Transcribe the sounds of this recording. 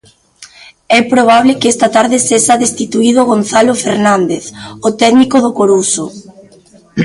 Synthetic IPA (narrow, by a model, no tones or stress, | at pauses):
ɛpɾoβ̞aβ̞lɪkɛst̪at̪aɾðɪseʃaðest̪it̪uiðoɣ̞onθalofeɾnãnd̪eθot̪ɛɣnikoðokoɾuso